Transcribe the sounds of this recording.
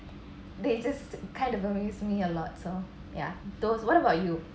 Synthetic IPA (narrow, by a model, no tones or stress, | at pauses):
ded͡ʒaskʰãɪ̃ndɔvəmjusmiəlɔt̚so | ja̰d̥oswɔɾəbaʊtju